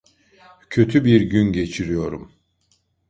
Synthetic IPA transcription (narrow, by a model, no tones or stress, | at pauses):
cʰø̞t̪ʰybiɾɟynɟe̞t͡ʃʰiɾijo̞ɾum